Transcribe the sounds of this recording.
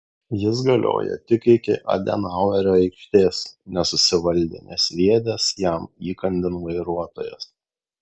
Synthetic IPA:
jɪs̬ɡɐlʲo̰ːjɛ̰t̪ʲɪkɪkʲɪʔɐ̰d̪ʲɛ̰nɑʊɛɾʲoːɛɪkʃʲt̪ʲeːsnʲɛsʊsʲɪʋɐlʲd̪ʲɪ̰nʲḛsʲlʲiɛd̪ʲɛsjæmiːkɐnʲd̪ʲɪnʋɐɪɾuɔt̪oːjɛ̰s

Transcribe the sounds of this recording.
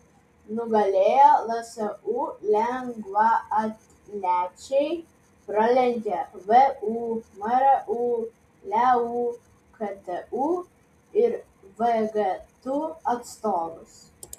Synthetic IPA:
nʊɡɐlʲeːjoːlˠɐsʲɛʔuːlʲɛŋɡʋɐɐt̪ | lʲæːt͡ʃʲɛɪ | pɾɐlʲɛnʲɡʲɛʋɛuːmɐɾɛʔuː | lʲɛuː | kʰɐt̪ɛuː | ɪɾ | ʋɛɡɐt̪uːɐt̪st̪oːd̪ʊs

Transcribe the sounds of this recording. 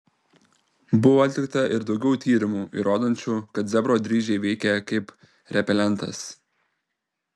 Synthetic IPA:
bʊʋoːɐt̪ʲlʲɪk̚t̪ɐʔɪɾd̪ɒʊɡʲɛʊt̪ʲiːɾʲɪmuːʔḭɾoːd̪oːnʲt͡ʃʲuːkɐt̪zʲɛbɾoːd̪ʲɾʲiːʒʲɛɪʋʲɛɪkʲɛkɐɪp | ɾʲɛpʲɛlʲɛnt̪ɐ̰s

